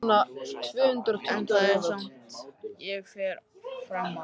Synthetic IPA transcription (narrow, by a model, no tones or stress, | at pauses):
nat̪ʰvʏːhʏnt̪ɾɔt̪ʰʏn̥t̪aɛːvað | jɛɣfɛɾ | fɾam